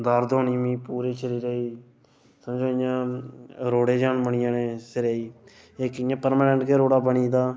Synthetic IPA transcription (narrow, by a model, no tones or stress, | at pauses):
d̪əɾd̪oːniːmĩːpuːɾiːʃʰəɾiːɾeiː | səmd͡ʒoːɪjãːɾoːɽeːd͡ʒaːnbəɳɪjãːneːsɪɾeːiː | ɪkɪjãːpəɾmaːnɛɳʈkeːɾoːɽaːbəɳiːd̪aː